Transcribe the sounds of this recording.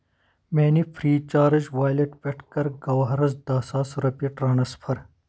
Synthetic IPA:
meːnifʰɾiːt͡ʃaːɾɐd͡ʒʋaːjleʈpʲeʈʰkɐɾɡɐwɐɦɐɾɐzd̪aːsaːsɾɐpiʈɾɐːɳɐspʰɐɾ

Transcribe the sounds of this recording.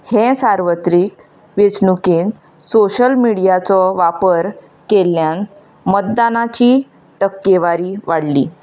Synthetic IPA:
hẽsaɾʋət̪ɾiːk̚ | ʋet͡snukiːn | soɕəlmiɽijat͡sɔʋapəɾ | keljan | mət̪d̪anat͡ɕiː | ʈəkːeʋaɾiːʋaɽliː

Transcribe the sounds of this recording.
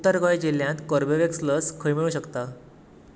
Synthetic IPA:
ut̪əɾkəjd͡ʑeljãnt̪kəɾbeʋeksləskʰəjmiɭuːɕəkt̪a

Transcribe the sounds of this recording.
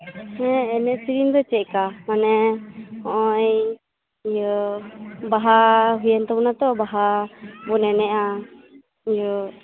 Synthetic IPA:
hɛɛnɛʔsiɾind̪ɔt͡ʃɛʔkamanɛ | ɔ̃ʔɔj | jɔ | baɦaɦujɛnt̪ɔbɔnat̪ɔbaɦabɔnɛnɛʔa | id͡ʒɔ

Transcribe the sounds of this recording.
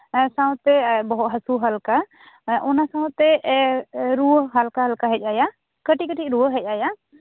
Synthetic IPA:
saw̃t̪ɛbɔɦɔt̪ɦəsuɦalka | ʔɔnasãw̃t̪ɛ | ɾuəɦɦalkaɦalkaɦɛc̚ˀaja | kəʈikəʈiˀɾuwəɦɛc̚ˀaja

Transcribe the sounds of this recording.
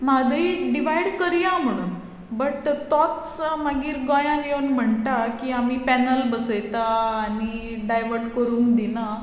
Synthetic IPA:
mad̪ʱiɖiʋ̤ajɽkəɾjãm̤əɽ̃ṵːn | bəʈt̪ɔt̪smaɡiːɾɡɔ̃jãnjewnm̤əɳt̪akiːamiːpɛnəlbəsəjt̪aːñi | ɖajʋəɾɖkəɾũːŋkd̪ina

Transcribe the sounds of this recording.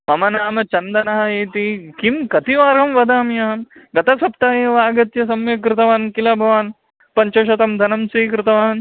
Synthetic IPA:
mɐmɐnaːmɐt͡ʃɐnd̪ɐnɐɦɐjeːt̪ikimkɐt̪iʋaːɾɐmʋɐd̪aːmjaːɐmɡɐt̪ɐsɐpt̪aːjeːʋaːɡɐt̪jɐs̬ɐmjɐk̬ɾɪt̪ɐʋaːnkilɐbʱɐʋaːn | pɐɲt͡ʃɐʃɐt̪ɐmd̪ʱɐnɐmsiːkɾɪt̪ɐʋaːn

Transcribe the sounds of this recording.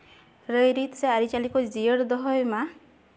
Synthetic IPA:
ɾəjɾit̪ʰseaɾit͡ʃalikɔd͡ʒiəɽd̪ɔɦɔjma

